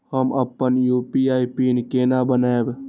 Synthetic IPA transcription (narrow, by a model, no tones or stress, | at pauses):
həməpːənjuːpiaːipinkeːnabənaeb